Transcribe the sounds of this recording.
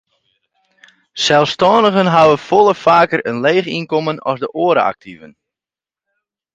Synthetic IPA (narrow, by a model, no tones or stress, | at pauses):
sɛlˠfstɔːndəɣənɦawəfolˠəfaːkərənleːχinkɔmənɔ̰zdəʔoːəɾə̰a̰k̚tʰivən